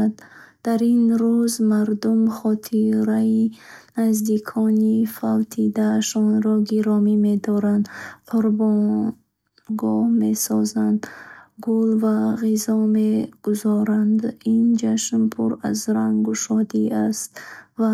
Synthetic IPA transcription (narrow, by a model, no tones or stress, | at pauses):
d̪d̪̥aɾinɾuzmaɾd̪umχɔt̪ʰiɾainazd̪ikʰɔnifalt̪ʰid̪aːʃɔnɾɔɡiɾɔmime̞d̪ɔɾand̪qʰuɾbɔ | ɡɔhme̞sɔzand̪ɡulvaʁizɔmeɡ̥uzɔɾand̪ind͡ʒaʃnpʰuɾazɾaŋɡuʃɔd̪iast̪va